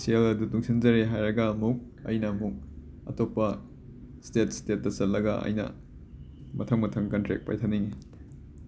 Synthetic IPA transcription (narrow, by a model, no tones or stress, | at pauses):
sielɐdutuŋsind͡ʒɐɾeɦajɾɐɡɐːmuk̚ | ɐ̰jnɐmuk̚ | ɐ̰topːɐ | stet̚stet̚ːɐt͡ʃɐt̚lːɐɡɐʔɐ̰jnɐ̰ | mɐtʰɐŋmɐtʰɐŋkɐntɾḛk̚pa̰jtʰɐnːiŋi